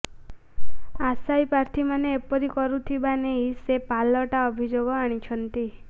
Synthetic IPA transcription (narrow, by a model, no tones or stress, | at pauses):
asajpaɾt̪ʰimaneːpɔɾikɔɾut̪ʰibaneɦisepalɔʈaɔbʱid͡ʒoɡɔaɽ̃it͡ʃʰɔnt̪i